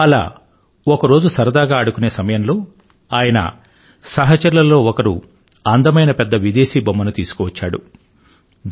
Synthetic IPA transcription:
ɐla̰ː | ɔkɐɾo̞ːd͡ʒusɐɾɐd̪aːɡaːɐɽukuneːsɐmɐjɐmlo̞ː | aːjɐnɐ̰ | sɐɦɐt͡ʃɐɾulɐlo̞ːɔkɐɾu | ɐnd̪ɐmɐjnɐpɛd̪ːɐʋid̪e̞ːʃiːbɐmːɐnut̪iːsu̥kɔʋɐt͡ʃːaːɽu

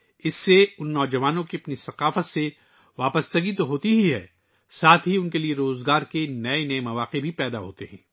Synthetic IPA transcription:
ɪsːeʊnːɔːd͡ʒɐʋaːnõkiɐpnisɐqaːfət̪se | ʋaːpəst̪ɐɡit̪oɦoːt̪iɦiɦɛ̰ː | saːt̪ʰɦiʊnkelieɾoːzɡaːɾkenɐenɐemɐʋaːqebʱipɛːd̪aɦo̰ːt̪eɦɛ̰̃ː

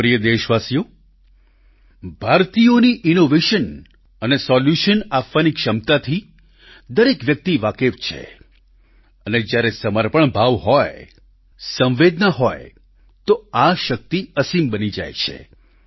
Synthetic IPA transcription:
ɾijəd̪eʃʋasijo | bʱaɾt̪ijoniʔinoʋeʃən | ənesɔljuʃənapʋanikʃəmt̪at̪ʰi | d̪əɾekʋjək̚t̪iʋakeʋt͡ʃʰḛ | əned͡ʒjaɾesəməɾpəɳbʱaʋɦɔj | sə̃ʋʋed̪naɦɔj | t̪oaʃək̚t̪iəsimbənid͡ʒa̰jt͡ʃʰḛ

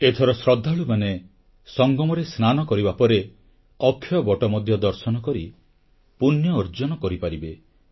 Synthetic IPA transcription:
et̪ʰɔɾɔsɾɔd̪ʱːaɭumane | sɔŋɡɔmɔɾesnanɔkɔɾibapɔɾe | ɔkʰːjɔbɔʈɔmɔd̪ʱjɔd̪ɔɾsɔnɔkɔɾi | punjɔːɾd͡ʒɔnɔkɔɾipaɾibe

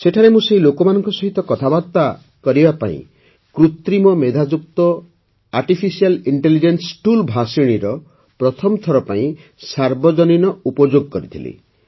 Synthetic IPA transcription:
seʈʰaɾemũseɦilokɔmanɔŋkɔsɔɦit̪ɔkɔt̪ʰabad̪t̪a | kɔɾibapa̰ḭ̃ | kɾut̪ɾimɔmed̪ʱad͡ʒuk̚t̪ɔ | aɾʈipʰisialiɳʈelid͡ʒensʈulbʱasiɽ̃iɾɔ | pɾɔt̪ʰɔmɔt̪ʰɔɾɔpaĩ | saɾbɔd͡ʒɔninɔupɔd͡ʒoɡɔkɔɾit̪ʰilḭ

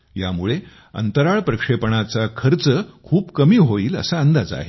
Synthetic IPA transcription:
ja̰muɭe | ə̰nt̪əɾaɭpɾəkʂepəɳat͡sakʰəɾt͡səkʰuːpkəmiːɦoiːlə̰saənd̪ad͡za̰ɦe

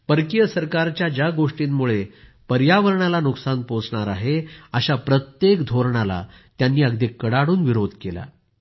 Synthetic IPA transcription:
pəɾkijəsəɾkaɾt͡ɕjad͡ʑjaɡoʂʈiːmmuɭepəɾjaʋəɾɳalanuksanpot͡sɳaɾaɦeəɕapɾət̪jekd̪ʱoɾɳala̰ | t̪janːiːəɡd̪ikːəɽaɽuːnʋiɾod̪ʱkela̰

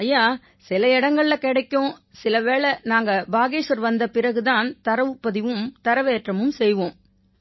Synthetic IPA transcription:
ɐjːaː | sɪlɐɪɽɐŋɡɐɭɪlɐkɪɽɐɪkːõːsɪlɐʋeːɭɛnaːŋɡɐbaːɣeːʂɐɾʋɐnd̪ɐpɪrɐɣɯðaːnt̪ɐɾɐʋɯpːɐðɪʋɯmt̪ɐɾɐʋeːʈrɐmɯmsɛjʋõːm

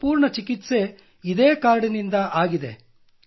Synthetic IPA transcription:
puːɾɳɐt͡ʃikit̪se̞ | id̪eːkaːɾɽinind̪ɐʔaːɡid̪e̞

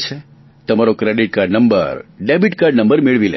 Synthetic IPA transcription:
t͡ʃʰe | t̪əmaɾokɾeɖiʈ̚kaɾɖnəmbə̰ɾɖebiʈkaɾɖnəmbəɾmeɭʋilḛ

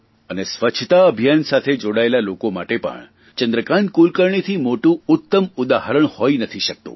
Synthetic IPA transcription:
ənesʋət͡ʃʰt̪aəbʱjansat̪ʰed͡ʒoɽaelalokoma̰ʈepə̰ɳ | t͡ʃənd̪ɾəkaɳkulkəɾɳit̪ʰimoʈũʊt̪ːəmud̪ahəɾəɳhojnət̪ʰiʃək̚t̪ṵ̃

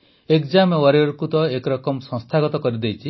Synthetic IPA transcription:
ekd͡ʒamewaɾiɔɾkut̪ɔekɔɾɔkɔmsɔ̃st̪ʰaɡɔt̪ɔkɔɾid̪ejt͡ʃʰi

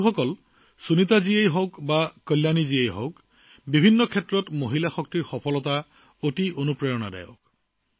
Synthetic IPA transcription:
xɔkɔl | sunitaziejɦɔwkbakɔlːjaniziejɦɔ̰wk | bibʱinːɔkʰɛtɹɔtmoɦilaxɔk̚tiɹxɔpʰɔlɔta | otionupɹɔjɔna̰dɛ̰jɔ̰k̚

